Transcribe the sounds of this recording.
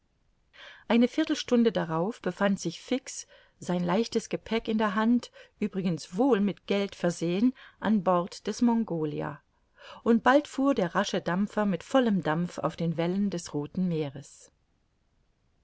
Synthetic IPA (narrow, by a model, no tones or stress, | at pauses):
ʔaɪnəfɪɐtl̩ʃtʊndədaʁaʊfb̥əfantz̥ɪçfɪks | z̥aɪnlaɪçtəsɡ̥əpʰɛkɪndeːɐɦantʔyːbʁɪɡənsv̥oːlmɪtɡ̥ɛltfɛɐzeːənʔanbɔɐtd̥ɛsmɔŋɡoːlḭa̰ | ʔʊntb̥altfuːɐdeːɐʁaʃədamfɐmɪtfɔləmdamfa̰ʊfd̥eːnvɛləndɛsʁoːtn̩meːʁəs